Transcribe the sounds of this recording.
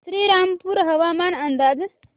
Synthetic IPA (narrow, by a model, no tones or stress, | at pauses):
sɾiɾampuɾɦʌʋamanənd̪ad͡z